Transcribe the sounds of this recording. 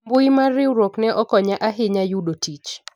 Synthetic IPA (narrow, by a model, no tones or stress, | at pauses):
mbʊimarɪwɾoknɛʔɔkɔɲaʔaɦɪɲajuɗotʰit͡ʃ